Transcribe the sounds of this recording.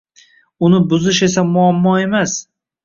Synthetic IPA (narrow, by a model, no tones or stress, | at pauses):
ʊnɪbʊzɪʃe̞s̬amʊamːɒe̞mas